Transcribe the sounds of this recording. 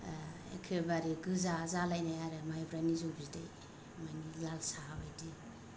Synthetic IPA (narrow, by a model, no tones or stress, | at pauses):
ḛkʰebaɾiɡɯzazalajnajaɾemajbɾanizobizdaj | majnilalsaabajdi